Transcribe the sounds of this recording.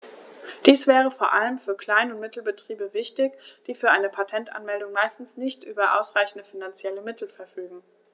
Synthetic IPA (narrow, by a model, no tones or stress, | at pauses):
d̥iːsv̥ɛːʁ̞əfoːɐʔaləmfyːɐkʰl̥aɪnʊntmɪtl̩bətʁ̥iːbəvɪçtɪçd̥iːfyːɐʔaɪnəpʰatʰɛntʔa̰nmɛldʊŋmaɪstn̩snɪçtʔyːbɐʔa̰ʊsʁ̥aɪçn̩dəfinant͡sjɛləmɪtʰl̩fɛɐfyːɡŋ̩